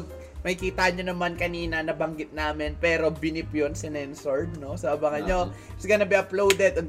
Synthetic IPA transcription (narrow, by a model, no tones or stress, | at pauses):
ɡ̚ | mɐkikiːt̪aʔɐɲɲonɐmankɐniːnɐnɐbɐŋɡɪt̪̚naːmɪnpɛːɾo̞bɪnɪpjonsɪnɛnsoɹd̪̚no̞sɐʔɐbɐŋɐɲo | sɪkɐnɐbɛʔɐplowd̪ɛd̪ɐɡ